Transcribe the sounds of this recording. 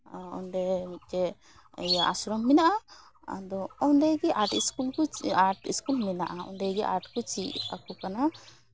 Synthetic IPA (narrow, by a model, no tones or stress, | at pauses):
ɔ̰nɖɛmit̪̚ˀtɛ | jaʔa̰sɾɔmːinaʔa | a̰d̪ɔɔnd̪ɛɡɛʔaɾʈiskulkɔaʈḭskulminaʔaɔ̰nd̪ɛɡɛʔa̰ɾʈkut͡ʃia̰kɔkana